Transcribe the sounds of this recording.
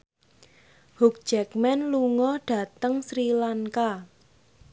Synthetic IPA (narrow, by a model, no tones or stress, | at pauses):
huk̚d͡ʒ̥ɛkmɛnluŋɔɖ̥a̤t̪əŋsɾilaŋka